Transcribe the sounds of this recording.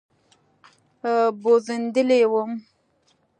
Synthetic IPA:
bozənd̪əlewəm

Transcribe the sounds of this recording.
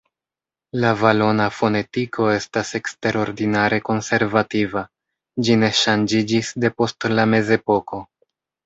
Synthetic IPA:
lavalo̞nafo̞ne̞tikʰo̞e̞stase̞kste̞ɾo̞ɾdinaɾʔe̞ko̞nse̞ɾvativa | d͡ʒine̞ʃand͡ʒid͡ʒisde̞po̞stlame̞ze̞po̞ko̞

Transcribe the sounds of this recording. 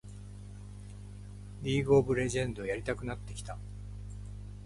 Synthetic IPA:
ɾʲiːɡo̞ːbɯ̟ɾe̞ʑẽ̞nd̪o̞jaɾʲit̪akɯ̟nat̪ːe̞kʲi̥t̪a

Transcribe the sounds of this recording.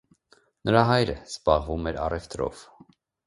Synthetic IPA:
nəɾɑɦɑjɾəz̥bɑʁvumɛɾɑrɛft̪ɾɔ̰v̥

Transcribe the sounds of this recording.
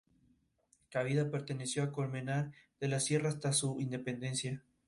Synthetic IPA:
kaβiðape̞ɾt̪e̞ne̞sjo̞akolmenaɾð̥e̞lasje̞raːst̪asuind̪e̞pe̞nd̪e̞nsja

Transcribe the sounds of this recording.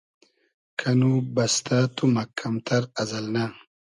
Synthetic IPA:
kʰɐnubɐst̪at̪umɐkʰːɐmt̪ʰɐɾɐzɐlna

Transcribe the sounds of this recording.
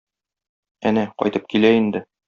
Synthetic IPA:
ænæqɒ̰jt̪ɤp̚kilæind̪ɘ

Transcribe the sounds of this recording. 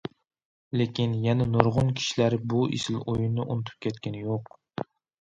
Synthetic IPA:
lekʲʰinjɛnɛnoɾʁʊnkʲʰi̥ʃilæɾbuʔḭsɪlojunːɨʔonɨt̪ʰɪ̥p̚kʲʰɛt̪kʲʰænɪjoq

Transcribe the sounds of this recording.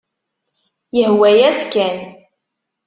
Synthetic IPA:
jəhwæjæskæn

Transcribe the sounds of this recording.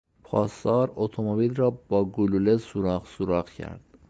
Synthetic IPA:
pʰɒːst̪ɒːɾot̪ʰomobilɾɒːbɒːɡululesuɾɒːɣsuɾɒːɣcʰæ̰ɾd̪̥

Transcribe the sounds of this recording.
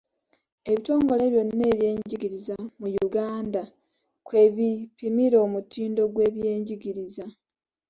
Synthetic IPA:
e̞βito̞ːŋɡo̞le̞βjonine̞ːβje̞ːɲɟiɡiɾizamujuɡaːnda | kwe̞βipimiɾo̞ːmutiːndo̞ɡwe̞ːβje̞ːɲɟiɡiɾiza

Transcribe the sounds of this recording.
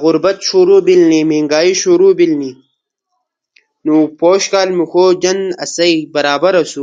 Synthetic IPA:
ɣʊɾbɐt̪ʃuɾubilnimiŋɡaːiʃuɾuːbilniː | nupoːɕkaːlmixoːd͡ʑɐnɐsɐjbɐɾaːbɐɾɐsu

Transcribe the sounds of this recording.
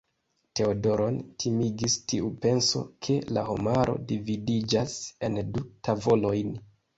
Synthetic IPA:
te̞odo̞ɾo̞ntʰimiɡistiupe̞nso̞̰kʰe̞la̰ho̰maɾo̞̰dividid͡ʒase̞ndutavo̞lo̞jn

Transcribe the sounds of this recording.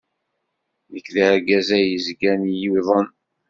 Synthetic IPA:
jəkːðəɾɡæzæjəzɡænjiðˤən

